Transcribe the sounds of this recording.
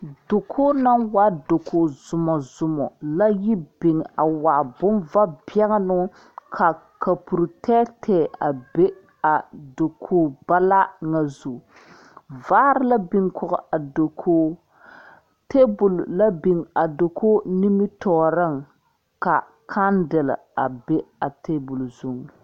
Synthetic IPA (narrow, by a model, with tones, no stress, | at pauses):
do˨kʰoː˦na˦nwa˦do˨kʰoː˨z̥ʊ˨mɔ˨zʊ˨mɔ̰˨la˦ji˦bi˨ŋa˨wa˨bʊ˦nva˦bjɛ˦ŋ˦nʊ˦ | kʰa˨ | ka˨pu˨ɾtʰɛː˦tʰɛː˨ʔa˨be˦ | a˨do˨kʰoː˦ba˦la˦ŋa˨zu˨ | vaː˦ɾɪ˦la˦bi˨ŋkʰʊ˨ɣɔ̰˨ʔa˨do˨kʰoː˦ | te˦bʊ˨lla˦bi˨ŋa˨do˨kʰoː˦ni˦mi˦tɔː˨ɾɨ˦ŋ | ka˨ | kʰa˦ndɪ˨lɪ̰˨a˨be˦a˨te˦bu˨lzu˦ŋ˨